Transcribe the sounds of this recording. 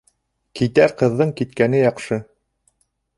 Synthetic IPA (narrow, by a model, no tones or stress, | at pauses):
kit̪æɾqɤ̆ðːɤɴkit̪kænɘjɑqʃɤ